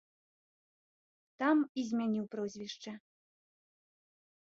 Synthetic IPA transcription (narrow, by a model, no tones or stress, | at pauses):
t̪amizʲmʲanʲiwpɾɔzʲvʲiʂt͡ʂɐ